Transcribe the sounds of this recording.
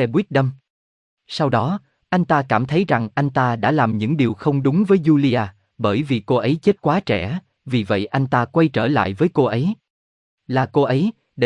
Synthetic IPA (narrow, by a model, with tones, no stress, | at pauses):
ɛ˧wi˦˥k̚ɗə˧m | sa˧wɗɔ˨˦ | ʔa˧jŋ̟t̪aː˧kaː˧˩mt̪ʰə˨˦jza˨˩ŋʔa˧jŋ̟t̪aː˧ɗa̰ː˧˥laː˨˩mɲɨ̰˧˥ŋɗi˨˩əwxə˧wŋ͡mɗʊ˨˦ŋ͡mvəː˨˦jzu˧li˧ʔaː˧ | ɓəː˧˩jvi˨˩ko˧ʔə˨˦jt͡ɕe˦˥t̚kwaː˨˦t͡ɕɛ˧˩ | vi˨˩və̰˧˨jʔa˧jŋ̟t̪aː˧kwa˧jt͡ɕəː˧˩la̰ː˧˨jvəː˨˦jko˧ʔə˨˦j | laː˨˩ko˧ʔə˨˦j | ɗe˧